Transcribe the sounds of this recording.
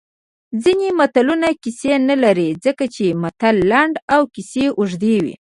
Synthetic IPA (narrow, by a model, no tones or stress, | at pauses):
zinemat̪alunakisenalaɾid͡zəkat͡ʃemat̪alːaɳɖawkiseʔʊʒd̪ewḭ